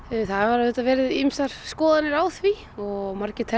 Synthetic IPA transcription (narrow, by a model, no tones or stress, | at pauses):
θaðvaɾahʏt̪avɛːɾɪðimsaɾ̥skɔːðanɪɾawθvi | ɔɣmaɾcɪt̪ʰɛ